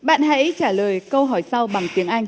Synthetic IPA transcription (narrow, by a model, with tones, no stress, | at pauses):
ɓa̰ː˧˨nɦa̰˧˥jt͡ɕaː˧˩ləː˨˩jkə˧wɦɔ˧˩jsa˧wɓa˨˩ŋt̪i˨˦əŋʔa˧jŋ̟